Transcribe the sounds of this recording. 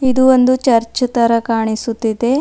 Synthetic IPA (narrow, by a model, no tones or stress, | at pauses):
id̪uond̪ut͡ʃɐɾt͡ʃɐt̪ɐɾɐkaːɳisut̪ːid̪e̞